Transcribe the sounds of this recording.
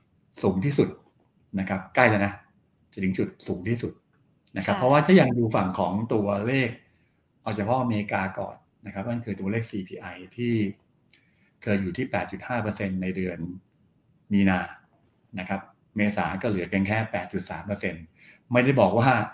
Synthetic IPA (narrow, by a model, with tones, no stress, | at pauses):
suː˩˦ŋt̪ʰiː˥˩su˨˩t̪̚ | na˦˥kʰa˦˥p̚kla˥˩jlɛ˧jna˦˥ | t͡ɕa˨˩t̪ʰɯ˩˦ŋt͡ɕu˨˩t̪̚suː˩˦ŋt̪ʰiː˥˩su˨˩t̪̚ | na˦˥kʰa˦˥pʰɾɔ˦waː˥t̪ʰaː˥˩jaː˨˧˩ŋduː˧fa˨˩ŋkʰɔː˩˦ŋt̪u˧ɐleː˥˩k̚ | ʔa˧wt͡ɕa˨˩pʰɔ˦˥ʔa˧meː˧i˧kaː˧kɔ̰ː˨˩nːa˦˥kʰa˦˥p̚na˥˩nkʰɯː˧t̪u˧ɐ˧leː˥˩k̚siː˧pʰiː˧ʔa˧jt̪ʰiː˥˩ | kʰɤː˧jːuː˨˩t̪ʰiː˥˩pɛː˨˩t̪̚t͡ɕu˨˩t̪̚haː˥˩pʰɤː˧se˧nːa˧jdɯ˧ən | miː˧naː˧ | na˦˥kʰa˦˥p̚ | meː˧sa̰ː˩˦kɔː˥˩lɯ˩˦ke˧nkʰɛː˥˩pɛː˨˩t̪̚t͡ɕu˨˩sa̰ː˩˦mpɤ˧se˧n | ma˥˩jda˥˩jbɔː˨˩k̚waː˥˩